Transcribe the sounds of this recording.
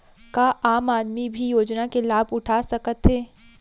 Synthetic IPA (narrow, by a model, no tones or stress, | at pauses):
kaːʔaːmaːd̪mibʱijoːd͡ʒnakelaːbʱʊʈʰaːsɐkət̪ɦɛː